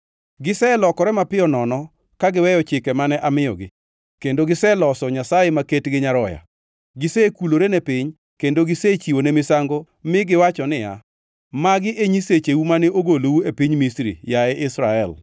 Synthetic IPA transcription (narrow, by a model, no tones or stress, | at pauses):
ɡɪsɛlɔkɔɾɛmapɪjɔnɔnɔ | kaɡɪwɛjɔt͡ʃɪkɛmanɛʔamɪjɔ̰ɡɪ̰ | kendoɡɪsɛlɔsɔɲasajemaketɡɪɲaɾɔja̰ | ɡɪsɛkuloɾenepɪɲ | kendoɡɪset͡ʃiwonemɪsaŋɡo | mɪɡɪwat͡ʃɔnɪja̰ | maɡɪʔeɲiset͡ʃewumaneʔoɡolowuepiɲmisɾḭjaɛʔɪsɾaɛl